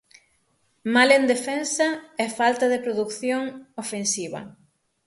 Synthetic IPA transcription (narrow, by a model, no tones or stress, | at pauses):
malend̪efensɐɛfalt̪ɐðepɾoðukθjoŋofensiβɐ̰